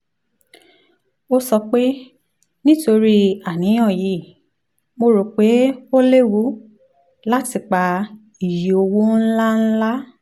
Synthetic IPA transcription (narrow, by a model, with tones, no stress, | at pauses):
o˦sɔ˧k͡pe˦ | nĩ˦to˧ɾi˦a˨nĩ˨˦j̃ɔ̃˦˨ji˨˦˨ | mo˧ɾo˨˦k͡pe˦o˦le˦wu˦ | la˦ti˨k͡pa˨ | i˨ji˨o˧wo˦n̩˦la˦n̩˦la˦